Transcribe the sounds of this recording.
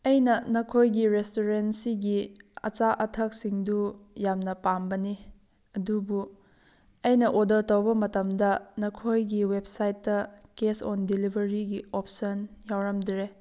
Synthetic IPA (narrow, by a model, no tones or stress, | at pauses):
ɐjnɐnɐkʰojɡiɾestoɾensiɡiɐ̰t͡ʃaʔɐtʰɐk̚siŋdujamnɐpambɐni | ɐdubu | ɐjnɐʔodɐɾtɐwbɐmɐtɐmdɐnɐkʰojɡiweb̚sajtːɐkesɔndilibʱɐɾiɡiopsɐnjawɾɐmdɾe